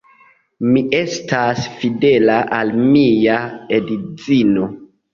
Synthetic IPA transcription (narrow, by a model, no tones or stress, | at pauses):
miʔe̞stasfide̞laʔalmijaedit͡sino̞